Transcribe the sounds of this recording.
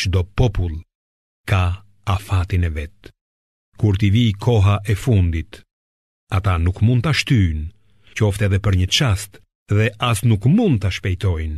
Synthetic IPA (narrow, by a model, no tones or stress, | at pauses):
t͡ʃd̪ɔpɔpulˠ | ka | afat̪inɛvɛt̪ | kuɾt̪̬iviːkʰɔɦaʔɛfund̪it̪ | at̪anukmund̪̚t̪aʃt̪yn | cəɔft̪ɛːðɛpəɾɲət͡ʃast̪ | ðɛʔasnukmund̪̚t̪aʃpɛjt̪ɔjn